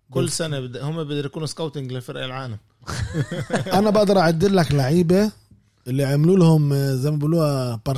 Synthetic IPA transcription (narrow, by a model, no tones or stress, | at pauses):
kʊlːsænad̪hʊmːebɪd̪ɑɾjkuːnuskawt̪ɪŋɡlɪlfɪɾʔalʕaːlam | ʔænæbɪʔd̪ɑɾˤʔaʕad̪ːɪɾlæklaʕiːba | ʔɪlːiʕamluːlhʊmzæjmæbuluːhæbɑɾˤ